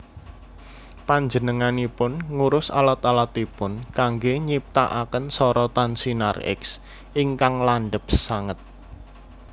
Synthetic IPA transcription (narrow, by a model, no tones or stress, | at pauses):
paɲd͡ʒənəŋanipʊnŋuɾʊsa̰lat̪alat̪ipʊnkaŋɡeɲip̚t̪a̰ʔakənsɔɾɔt̪ansina̰rɪ̰ks | ʔiŋkaŋlaɳɖəp̚saŋət̪̚